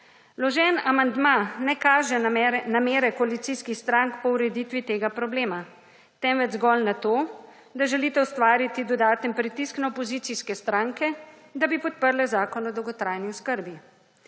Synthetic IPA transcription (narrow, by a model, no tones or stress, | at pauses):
lɔʒɛːnamand̪manɛkaːʒɛnameːɾɛkoalit̪siskixst̪ɾaŋkpɔuɾɛd̪iːt̪ʋit̪eːɡapɾɔbleːma | t̪ɛmʋɛd̪zɡɔlnat̪oː | d̪aʒɛliːt̪ɛwst̪ʋaːɾit̪id̪ɔd̪aːt̪ənpɾit̪isknaopɔziːt̪iskɛst̪ɾaːŋkɛ | d̪abipɔt̪̚pəɾlɛzaːkɔnɔd̪ɔwɡɔt̪ɾaːjniɔskəɾbi